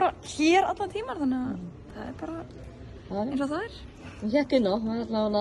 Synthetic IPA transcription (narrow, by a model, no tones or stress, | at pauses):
ɾaçɛːɾa̰t̪lat̪ʰiːmaɾ̥θanːa | θa̰ðɛ̰ɾpaːɾa | aensɔθaɪɾ̥ | çɛk̪ɪnɔmaat̪laɛla